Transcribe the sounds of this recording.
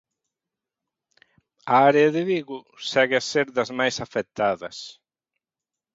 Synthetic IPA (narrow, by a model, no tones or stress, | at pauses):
ɐaɾeɐðɪβiɣʊ | sɛɣɪaseɾðɐzmajsafɛt̪aðɐs